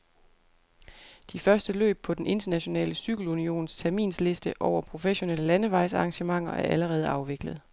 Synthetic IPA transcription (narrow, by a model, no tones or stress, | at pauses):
d̥ifɶɐsd̥əlø̰ːb̥̚pʰɒ̽d̥enʔe̝nd̥ɐnæɕo̝nɛ̰ːləsyɡ̥l̩unio̝̰ːnst͡sʰæɐmḭːnsle̝sd̥əʔɒʊ̰ɐpʰʁo̝feɕo̝neləlænəʋɑ̈ɪ̰sɑ̈ːŋɕəmɑ̈ŋ̰ɐʔæɐʔæləʁɛːð̞̩ˠɑ̈ʊʋe̝ɡ̥ləð̞̩ˠ